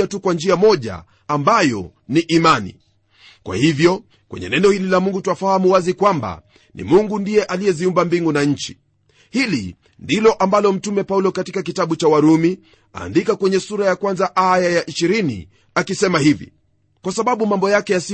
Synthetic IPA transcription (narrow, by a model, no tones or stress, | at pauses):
atukwand͡ʒiamɔʄa̰ | ambajɔ̰ | niʔimanḭ | kwa̰hivjɔ | kwɛ̰ɲɛ̰nɛnɛɔhililamuŋɡutuwafahamuwazikwamba̰ | nḭmuŋɡundijɛʔalijɛziumbambiŋɡunaɲ̩t͡ʃi̥ | hilḭ | ndilɔʔambalɔm̩tumɛpaulɔkatikak̬itaɓut͡ʃawaɾumi | a̰ːndikakwɛɲɛsuɾajakwanzaʔajajaʔiʃiɾinḭ | akisɛmahivḭ | kwasaɓaɓumambɔjakɛjasi